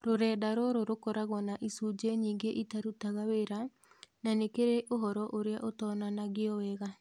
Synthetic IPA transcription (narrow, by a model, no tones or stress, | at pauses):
ɾoɾɛːdaɾoɾoɾokɔɾaɣɔnaʔisud͡ʒeɲiːŋɡeʔitaɾutaɣaweɾa | nanekeɾeʔoɦɔɾɔʔoɾeaʔotɔnanaɣeɔwɛɣa